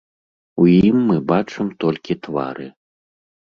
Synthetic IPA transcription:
wjimːɨbat͡ʂɨmt̪ɔlʲkʲit̪va̰ɾɨ

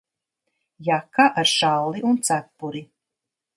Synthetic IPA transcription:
jakːaʔaɾʃalliʔunt̪sapːuɾi

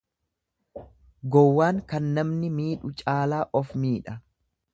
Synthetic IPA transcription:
ɡɔwːaːŋkɐnːɐmnɪmiːᶑʊt͡ʃʼaːlaːʔɔfmiːᶑɐ

